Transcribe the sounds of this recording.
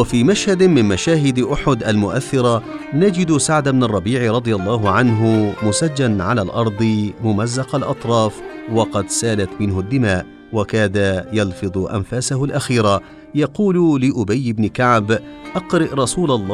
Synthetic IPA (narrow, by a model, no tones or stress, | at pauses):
wafiːmaʃhad̪mɪnmaʃaːɦɪd̪ʔʊħʊd̪ʔalmʊʔaθːɪɾˤa | nad͡ʒɪd̪saʕd̪abnɑrˤːɑbiːʕɾˤɑd̪ˤɨjalˤːɑːɦʊʕanɦʊmʊsad͡ʒːanʕalaːlʔɑɾˤd̪ˤɨmʊmazːɑqɑlʔɑ̰t̪ˤɾˤɑːfwɑqɑd̪saːlat̪mɪnhʊd̪ːɪmaːʔ | wakaːd̪ajɑlfɨd̪ˤʔa̰nfaːsahʊlʔaxiːɾa | jɑquːllɪʔʊbajːɪbnɪkaʕbʔɑqɾɪʔɾˤɑsuːlalˤː